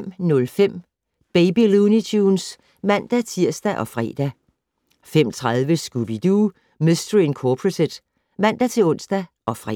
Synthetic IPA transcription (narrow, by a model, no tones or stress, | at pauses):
m̰nɔ̽lfem̰ | b̥eɪbilunit͡sʰuːns | mæn̰d̥æt͡sʰiɐ̰sd̥æʔɒ̽fʁɛ̰ːd̥æ | fem̰t͡sʰʁað̞ˠʋəsɡ̥ub̥id̥u | misd̥əʁinkʰɒːpʰʁosed̥ | mæn̰d̥æt͡sʰe̝lɔ̽n̰sd̥æ | ʔɒ̽fʁɛ̰